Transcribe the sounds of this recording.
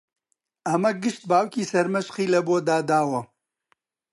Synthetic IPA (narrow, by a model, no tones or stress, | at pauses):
ɐmɐɡɨʃt̪̚baːwkiːsɐɾmɐʃχiːlɐboːd̪aːd̪aːwɐ